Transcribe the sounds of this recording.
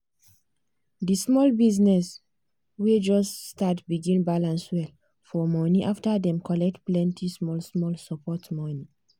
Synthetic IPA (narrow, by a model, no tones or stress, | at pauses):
dismɔlbiznɛs | wed͡ʒɔstːtatbiɡĩnbalãnswɛl | fɔmɔniʔaftadɛ̃mkʰɔlɛk̚tplɛ̃ntʰismɔlsmɔlsɔpʰɔtmɔni